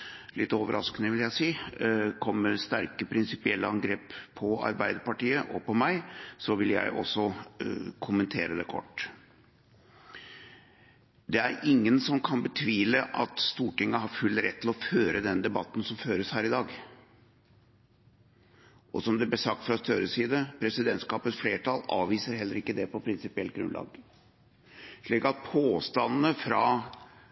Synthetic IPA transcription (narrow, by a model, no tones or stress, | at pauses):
lɪt̪ːoːʋə̰ɾʔɑ̰skənəʋɪljæɪsiːkʰɔmːəɾst̪æɾkəpʰɾɪnsɪpɪɛlːəɑŋɡɾeːpʰːɔɑ̰ɾbæɪd̪əɾpɑʈiːəʔɔ̰pɔmæɪsɔʋɪljæ̰ɪʔɔ̰sːɔ | kʰʊmənt̪ʰeːɾəd̪ɛkʰɔ̰ʈː | d̪ɛæɾɪŋːənsɔmkʰɑnbət̪ʰʋiːləʔɑ̰t̪st̪uːʈɪŋːəɦɑɾfʉlːɾɛt̪ːɪlɔføːɾəd̪ɛnd̪ɛbɑt̪ːn̩sɔmføːɾəshæːɾɪd̪ɑːɡ | ʔɔ̰sɔmd̪ɛblɛsɑk̚t̪fɾɑst̪ʰøɾəsiːd̪əpʰɾɛsɪd̪ɛnt̪skɑːpət̪sfleːʈʰɑlɑ̰ːʋʋiːsəɾɦɛlːəɾɪkːəd̪ɛpɔpʰɾɪnsɪpɪɛlt̪̚ɡɾʉ̰nlɑ̰ːɡ | ʂɭiːkɑt̪̚pʰoːst̪ɑnnəfɾɑ